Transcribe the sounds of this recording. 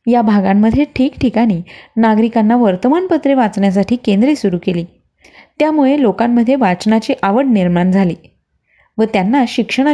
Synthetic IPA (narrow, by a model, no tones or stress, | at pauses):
jabʱaɡamːəd̪ʱjeʈʰiːkʈʰikaɽ̃iːnaɡɾikanːaʋəɾt̪əmaɳpət̪ɾeʋat͡sɳjas̬aʈʰiːkẽnd̪ɾesuɾukeliː | t̪jamuɭelokamːəd̪ʱːjeʋat͡snat͡ɕiːʔaʋəɽniɾmaɳd͡zʱaliː | ʋət̪janːaɕikʂəɽ̃a